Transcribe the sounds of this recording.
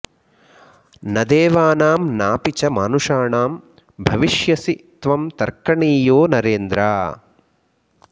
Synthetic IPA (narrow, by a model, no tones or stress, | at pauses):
nɐd̪eːʋaːnaːmnaːpit͡ʃɐmaːnuʂaːɳaːm | bʱɐʋiʂjɐsit̪ʋɐmt̪ɐɾkɐɳiːjoːnɐɾeːnd̪ɾaː